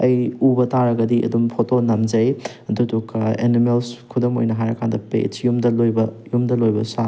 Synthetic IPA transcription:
ɐjubɐtaɾɐɡɐdiʔɐ̰dumpʰotonɐmd͡ʒɐj | dutukḛnimelskʰudomo̰jnɐɦajɾɐkʰandɐpḛsjumdɐlojbɐjumdɐlojbɐ̰sa

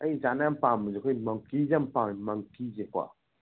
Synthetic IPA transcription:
ajd͡ʒanampamud͡ʒikoimaŋkid͡ʒampamaŋkid͡ʒekʷa̰

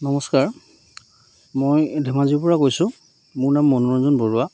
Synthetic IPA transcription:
nɔmɔskaɹ | mojdʱɛmaziɹpɔɹakojsʊ | mʊɹnamːɔnɔɹɔzɔnbɔɹʊwa

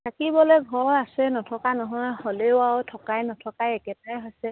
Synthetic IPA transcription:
tʰakibɔlɛɡʱɔɹasɛnɔtʰɔkanɔɦɔjhɔleʊawtʰɔkajnɔtʰɔkajɛkɛtaɹɛɦojsɛ

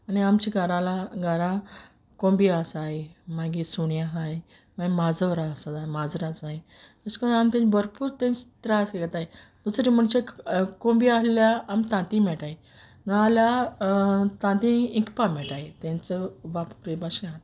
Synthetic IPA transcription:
aniamt͡ɕiɡaɾalaɡaɾã | kõmbiasaɦemaɡisuɳjaɦaj | maɡimad͡zəʋɾaəsat̪aemad͡zɾad͡zai | əskəamt̪ẽɲbəɾpuːɾt̪ẽɲt͡st̪ɾaskekət̪aɦe | d̪̥usɾim̤əɳt͡ɕekõmbialljaamt̪ãt̪ĩmɛʈae | nəalja | t̪ãt̪ĩĩkpamɛʈaet̪ẽnt͡səbappɾebaɕãt̪

